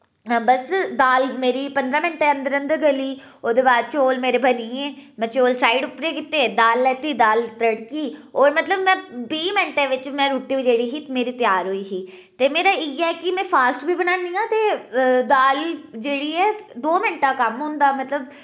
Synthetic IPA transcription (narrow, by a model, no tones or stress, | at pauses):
bəsd̪aːlmeːɾipə̃nd̪ɾãːmɪɳʈeə̃nd̪əɾə̃nd̪əɾɡəliː | od̪eːbaːd̪̚t͡ʃoːlmeːɾebəniẽːmɛ̃ːt͡ʃoːlsaːɪɖʊpɾekɪt̪ːed̪aːlːɛːt̪id̪aːlt̪əɽkiːɔːɾmət̪ləbmɛ̃ːbiːmɪɳʈeʋɪt͡ʃmɛ̃ːɾuːʈːiuːd͡ʒeːɽiɦit̪emeːɾit̪jaːɾɦoiːɦiː | t̪eːmeːɾaɪjɛkimɛ̃ːfʰaːsʈbʱiːbənaːnijãːt̪ed̪aːld͡ʒeːɽiːɛːd̪oːmɪɳʈaːkəmɦʊ̃ːnd̪aːmət̪ləb